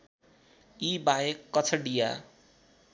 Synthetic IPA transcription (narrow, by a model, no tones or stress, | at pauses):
ibajekːʌt͡sʰʌɖija̰